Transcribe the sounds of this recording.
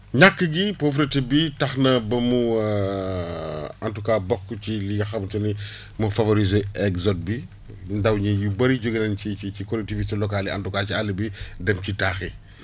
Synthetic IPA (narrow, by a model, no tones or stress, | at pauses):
ɲakːəɡipof̬ɾɛtebitɐxnɐbɐmu | ɐntukaːbɔkːt͡ʃiliɡɐxɐmtɐni | mɐfɐvoɾizeɛɡzɔt̚bi | ndɐwɲijubɐɾiɟoɡɐnɛnciit͡ʃikɔlɛk̚tivistelɔkaliɐ̰ntukaːcialibidɛmcitaːxi